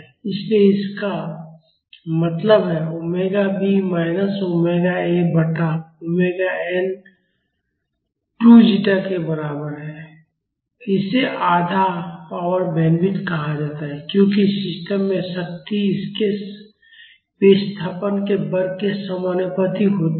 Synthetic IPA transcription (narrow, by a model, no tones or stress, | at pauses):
ɪslieɪska | mɐt̪ləbɦɛʊmeːɡabimaːɪnəsʊmeːɡaebəʈaʊmeːɡaɛːn | ʈud͡ʒiʈakebəɾaːbəɾɦɛː | ɪseʔaːd̪ʱapaːəɾbɛːnbɪ̃nkɐɦad͡ʒaːt̪aɦɛkjõːkisɪsʈəmːẽʃəkt̪iɪske | peːst̪ʰaːpənkebəɾkesəmənjəpət̪iɦoːt̪